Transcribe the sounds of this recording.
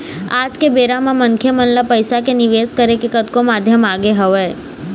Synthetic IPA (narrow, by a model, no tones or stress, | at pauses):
ad͡ʒkebeɾamãməŋkʰjəmənlapəjsakeniʋeskəɾekekət̪komad̪ʱjəmaɡeɦəʋe